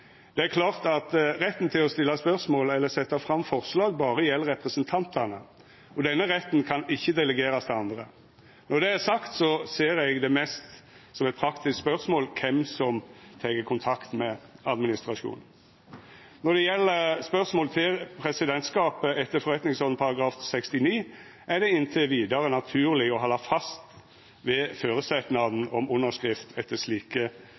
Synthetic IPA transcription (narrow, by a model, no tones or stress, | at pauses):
d̪̥ɛæɾkʰlɑːʁt̪ɑt̪ɾɛt̪ːn̩t̪ʰɪlɔst̪ɪlːɑspœʁsmoːlɛlːəsɛt̪ːɑfɾɑmfɔʁslɑːɡ̚bɑːɾəjɛlːəɾɛpɾəsənt̪ʰɑnt̪ʰənə | ɔd̪ɛnːəɾɛt̪ːnkʰɑnɪçːəd̪ɛləɡeːɾɑst̪ʰɛɑnd̪ʁə | nɔd̪ɛæɾsɑkt̪sɔseːɾɛɡd̪ɛmɛst̪ | sɔmɛɪt̪̚pʰɾɑkt̪ɪskspœʁsmoːlkʰɛmsɔmt̪ʰɛkəkʰʊnt̪ʰɑkt̪mɛɑd̪mɪnɪst̪ɾɑʂṵːn | nɔd̪ɛjɛlːəɾspœʁsmoːlt̪ʰɪlpʰɾɛsɪd̪ɛnt̪skɑːpəʔɛt̪ːəɾfɔɾɛt̪nɪŋsɔːd̪n̩pʰɑɾɑɡɾɑːfsɛkst̪ɪniː | æɖ̪ɛɪnt̪ʰəʋiːd̪ɑɾənɑt̪ʰʉːɾlɪɔɦɑlːɑfɑst̪ | ʋɛføːɾəsɛt̪nɑd̪n̩ɔmʊnːəʂkɾɪft̪ʰɛt̪ːəʂliːkə